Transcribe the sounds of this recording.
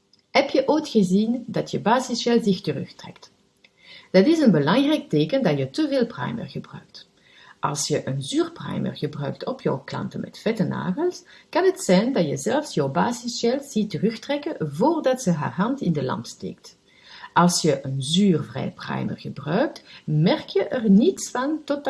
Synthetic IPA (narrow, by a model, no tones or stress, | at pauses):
ɦɛpjəʔojtxəzindɑtjəbaːzɪsɛlˠzɪxtərɵ̰xtrɛ̰kt | d̥ɑtɪsənbəlɑŋrɛjk̚teːkəndɑjətəveːlˠpra̰jmə̰rɣəbrœ̰ɥkt | ʔɑ̰lˠsjəʔənzyːrpra̰jmə̰rɣəbrœɥktʰɔpʰjɔ̰wklɑ̰ntənmɛ̰tfɛtəna̰ːɣəlˠskɑnɦətsɛjndɑtjəzɛlfsjɔwbaːzɪsjɛlˠz̥itːərɵxtrɛkənvoːrdɑtz̥əɦa̰ːrɦɑntɪndəlɑ̰mpstḛːkt | ʔɑlˠsjəʔənzyːrvrɛ̰jpra̰jmə̰rɣəbrœɥk̚tmɛrkjəʔərnitsfɑntot